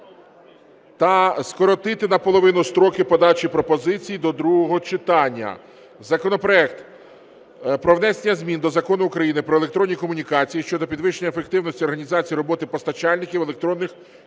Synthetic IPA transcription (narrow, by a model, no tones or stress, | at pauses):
t̪ɐskɔɾɔt̪ɪt̪ɪnɐpɔlˠɔʋɪnʊst̪ɾɔkɪpɔd̪ɑt͡ʃipɾɔpɔzɪt͡sʲijid̪ɔd̪ɾuɦɔɦɔt͡ʃɪt̪ɑnʲːɐ̰ | zɐkɔnɔpɾɔɛkt̪ | pɾɔʋnɛsʲenʲːɐzʲmʲind̪ɔzɐkɔnʊːkɾɐjinɪpɾɔelˠekt̪ɾɔnʲːikɔmʊnʲikɑt͡sʲijiʃt͡ʃɔd̪ɔpʲid̪ʋɪʃenʲɐefek̚t̪ɪwnɔsʲtʲiɔrɦɐnʲizɑt͡sʲijiɾɔbɔt̪ɪpɔst̪ɐt͡ʃɑlʲnɪkʲiwelek̚t̪ɾɔnːɪx